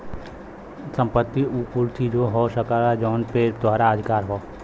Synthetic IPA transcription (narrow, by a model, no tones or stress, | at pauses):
sə̃mpət̪ːiuːkult̪ʰid͡ʒoːɦoːsəkaɾad͡ʒɔːnpet̪ʊaːɾaəd̪ʱɪkaːɾɦoː